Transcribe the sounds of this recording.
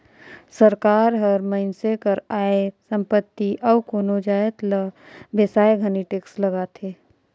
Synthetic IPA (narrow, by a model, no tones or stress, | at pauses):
səɾkaːɾɦəɾməɪnsekəɾaːesə̃mpət̪ːiʔɔːkoːnod͡ʒaːjət̪lə | besaːeɡʱəniʈeːksləɡat̪ʰeː